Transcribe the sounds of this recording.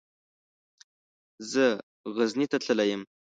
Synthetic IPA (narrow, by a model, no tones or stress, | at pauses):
zə | ɣəznit̪at͡ɬəlajəm